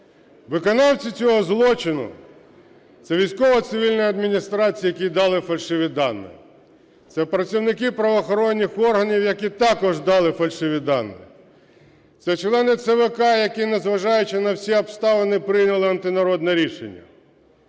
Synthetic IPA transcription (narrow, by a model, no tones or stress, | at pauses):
ʋɪkɔnɑwt͡sʲit͡sʲɔɦɔzlˠɔt͡ʃɪnʊ̰ | t̪sɛʋʲijsʲkɔʋɐt̪sɪʋʲilʲnɔjɐd̪mʲinʲist̪ɾɑt͡sʲijɐk̬ʲid̪ɑlˠɪfɐlʲʃɪʋʲid̪ɑnːɪ̰ | t̪sɛpɾɐt͡sʲiwnɪkɪpɾɐʋɔːxɔɾɔnʲːixɔrɦɐnʲiwjɐkʲit̪ɑkɔʒd̪ɑlˠɪfɐlʲʃɪʋʲid̪ɑnːɪ̰ | t̪sɛt͡ʃlˠɛnɪt̪sɛʋekɑjɐkʲinezʋɐʒɑjʊt͡ʃɪnɐwsʲiɐbst̪ɑʋɐnɪpɾɪjnʲɐlˠɪɐnt̪ɪnɐɾɔd̪nɛɾʲiʃḛnʲːɐ̰